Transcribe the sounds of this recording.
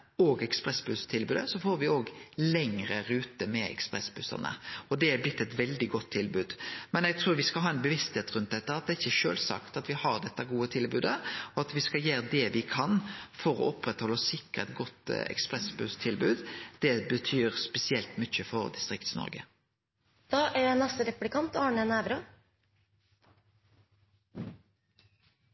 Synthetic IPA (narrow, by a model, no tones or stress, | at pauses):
oːɡɛkspɾɛsbʉst̪ʰɪlbʉːd̪əsɔfoːɾʋɪoːɡlɛŋɾəɾʉːt̪əmɛɛ̰kspɾɛsbʉsə̰ʁnə̰ɔd̪ɛæblɪt̪ːɛt̪ʋɛld̪ɪɡɔt̪ʰːɪlbʉːd̪mɛnɛɡ̚t̪ʰɾuːɾʋɪskɑlɦɑːɛnbəʋɪst̪heːt̪ɾʉnt̪̚d̪ɛt̪ːəɑt̪̚d̪ɛːɪçːəʃø̰ːlsɑ̰kt̪ɑt̪ʋɪhɑʁd̪ɛt̪ːəɑɡuːət̪ʰɪlbʉːd̪əɔɑt̪ʋɪskɑljeːɾd̪ɛʋɪkʰɑnfɔɾɔ̰ʔɔpɾɛt̪hɔlːɔsɪkːəɛt̪ɡɔt̪ːɛ̰kspʁɛsbʉt̪ʰɪlbʉːd̪d̪̥ɛbət̪ʰyːʁspɛsɪɛlt̪mʏçəfɔɾd̪ɪst̪ʁɪkt̪snɔ̰ɾɡə̰ | d̪̥ɑːʔæɖɛnɑst̪əɾɛplɪkʰɑnt̪ɑːɳənæːʋɾɑ